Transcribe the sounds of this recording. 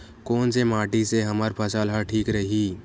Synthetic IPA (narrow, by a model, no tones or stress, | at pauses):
koːnsemaːʈiseɦɐməɾpʰɐsalɦaʈʰiːkɾəɦi